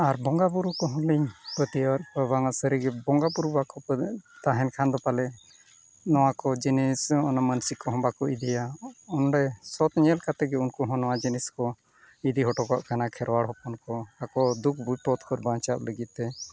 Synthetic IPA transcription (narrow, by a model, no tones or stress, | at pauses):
aɾbɔŋɡapuɾukɔɦɔ̃liɲpət̪ijɾpəbaŋasəɾiɡɛbɔŋɡapuɾubakɔpət̪aɦɛnkʰand̪ɔpalɛ | nɔwakɔd͡ʒinisɔnamənsikɔɦɔ̃bakɔid̪ijaɔnɖɛsɔt̪ɲɛlkat̪ɛɡɛunkɔɦɔ̃nɔwad͡ʒiniskɔ | id̪iɦɔʈɔka̰ʔkanakʰɛɾwaɽɦɔpɔnkɔakɔd̪uk̚ʰbujpɔt̪kʰɔɾbãt͡ʃap̚ləɡit̪̚t̪ɛ